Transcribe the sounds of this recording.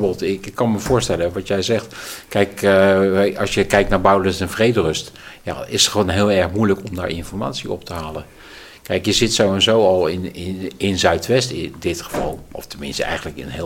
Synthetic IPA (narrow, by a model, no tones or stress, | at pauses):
bəlˠtɪkɪkːɑnməvoːɹstɛləʋɑtjɛjzɛxtkɛjk | ɑsjəkɛjk̚tnaːɹbœwlənsɛnvrejdərɵstja̰ɪsəχəʋoːnɦɪːlˠɛɹxmujləkɔmda̰ːɹʔɪ̰nfɔɹma̰ːtsiɔp̚təɦaːlˠən | kɛjkjəzɪtsowɛnzowɑlˠɪnɪɪnzœɥtʋɛstɪdɪtxə̥v̥ɑ̰lˠʔɔ̰ftənmɪ̰nstəɛ̰jɣəndləkɪ̰nɦɪ